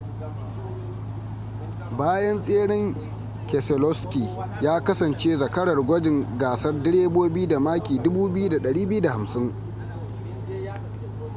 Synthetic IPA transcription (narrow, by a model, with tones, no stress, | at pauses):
baː˦jɐ˦nsʼeː˦ɽɪ˦ŋ | kɛ˨sɛ˨lɔ˦skʲi˨jaː˦kɐ˦sɐ˨nt͡ʃeː˦zɐ˨kɐ˦ɽɐ˨rɡʷɐ˦d͡ʒɪ˨ŋɡaː˨sɐ˦rdɪ˦ɽeː˦boː˦bɪ˦u˦da˨maː˦kʲiː˨dʊ˦buː˦bɪ˦ju˦da˨ɗɐ˨ɽiː˦bɪ˦ju˦da˨ha˨msɪ˦ŋ